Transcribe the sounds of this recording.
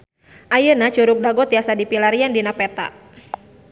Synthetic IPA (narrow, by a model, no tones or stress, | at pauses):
ʔajənat͡ʃuɾʊk̚daɡɔt̪iasadipilaɾiandinapɛt̪a̰ʔ